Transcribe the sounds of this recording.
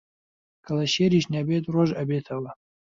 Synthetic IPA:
kʰɐlɐʃeɾiʃnʲabet̪roʒɐbet̪ʰɐwɐ

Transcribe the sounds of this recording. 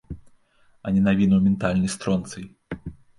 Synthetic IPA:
ɐnʲɛnavʲinɐwmʲɛnt̪alʲnɐjst̪ɾɔnt̪sɐj

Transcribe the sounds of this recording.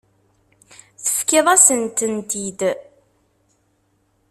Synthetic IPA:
θə̥fkɪðˤasənt̪ənt̪id̪

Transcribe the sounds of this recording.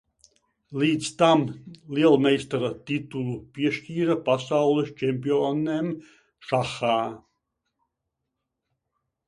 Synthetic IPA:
liːd̪zst̪amliɛlˠmɛjst̪aɾat̪it̪ulˠupʲiɛʃtʲiːɾapasawlˠɛst͡ʃemʲpʲionem | ʃaxaː

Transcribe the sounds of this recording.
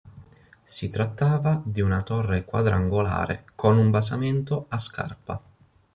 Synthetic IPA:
sit̪ɾat̪ːaːvad̪iunat̪orːekwa̰d̪ɾaaŋɡola̰ːɾḛkonumbasament̪oaska̰rpa̰

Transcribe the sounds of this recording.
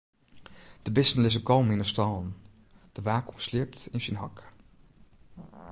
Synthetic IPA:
d̥əbɪsnəlɪsəkɔlmɪnəstɑln | d̥əʋaːkuslɪəp̚tɪnsənɦɑk

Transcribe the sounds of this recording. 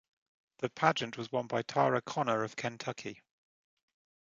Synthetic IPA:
ðəpʰad͡ʒə̃nʔwɒzwʌ̃nbaɪtʰɑːɹəkʰɒnəɹəv̥kʰɛ̃ntʰʌkʰi

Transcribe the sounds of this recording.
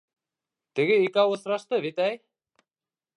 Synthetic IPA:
t̪ɘ̆ɡɘikæwɤ̆θɾɑʃt̪ɤβit̪æj

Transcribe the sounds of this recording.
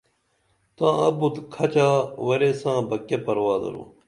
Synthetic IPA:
t̪ãːɐbud̪kʰɐt͡ɕaːwɐɾesãːbɐkːepɐɾwaːd̪ɐ̰ɾṵ

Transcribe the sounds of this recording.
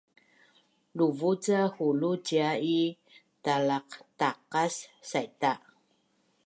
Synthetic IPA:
luvut͡sahulud͡ʒiai | talaqtaqasːajta

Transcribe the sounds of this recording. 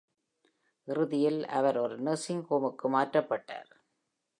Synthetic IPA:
ʔɪɾɯðɪjɪlɐ̰ʋɐɾɔɾɯnɐɾsɪŋkoːmɯkːɯmaːtrɐpːɐʈːa̰ːɾ

